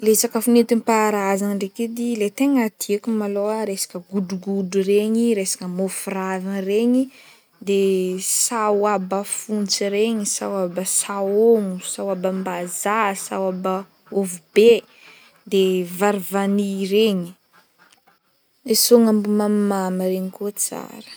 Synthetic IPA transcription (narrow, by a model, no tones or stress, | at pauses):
lesakəfunet̪impaɾazanɳɖ͡ʐeked̪ilet̪eŋat̪ʰiakumaloaɾesḁkəɡuɖ͡ʐuɡudureɲiɾesḁkəmofurazanreɲi | d̪esawabəfunt͡siɾeɲisawabəsaoŋusawabambazasa̰waba | ovube | d̪evaɾivaniɾeɲi̥ | esoŋambumammaməɾeɲikot͡sa̰ɾə̥